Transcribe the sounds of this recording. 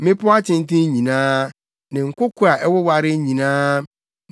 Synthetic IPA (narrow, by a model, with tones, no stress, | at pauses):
mɪ̃˦pʊ˦a˦t͡ɕʰɪ̃˦n˦tɪ̃˦ɲĩ˨nãː˦ | nɪ̃˨ŋ̩˨kʰʊ˦kʰʊ˦a˨ʔɛ˦wɔ˦wa˨ɾɪ˦ɲĩ˨nãː˦